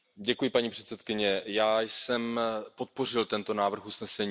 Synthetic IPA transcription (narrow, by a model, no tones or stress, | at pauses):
ɟɛkujɪpaɲiːpr̥ɛt̪sɛt̪kɪɲɛjaːjsɛmpo̞t̪̚po̞r̝ɪlt̪ɛnt̪o̞naːvr̩xusnɛsɛɲː